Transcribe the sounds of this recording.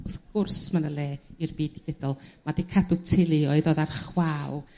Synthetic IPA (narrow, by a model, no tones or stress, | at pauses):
ʊθɡʊrsmanəlˠeːirbiːdiɡ̥ədɔlˠmadikʰadʊtʰɪlˠɨɔɨðɔðarχwalˠ